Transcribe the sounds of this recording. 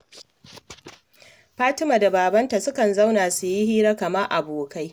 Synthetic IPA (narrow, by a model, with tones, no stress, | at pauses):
ɸaː˦tɪ˦maː˨da˨baː˨bɐ˦nta˨sʊ˦kɐ˨nza˦wnaː˨su˨jɪ˦hiː˦ɾa˦kɐ˨mɐ˦rʔa˨boː˨ka˦j